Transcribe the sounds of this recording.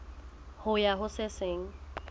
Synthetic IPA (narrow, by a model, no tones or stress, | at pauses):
hʊjaɦʊsɪseŋ̩